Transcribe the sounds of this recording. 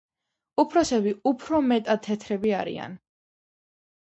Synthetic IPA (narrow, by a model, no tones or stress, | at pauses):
upʰɾɔsɛbiupʰɾɔmɛt̪ʼat̪ʰːɛt̪ʰɾɛbiaɾḭa̰n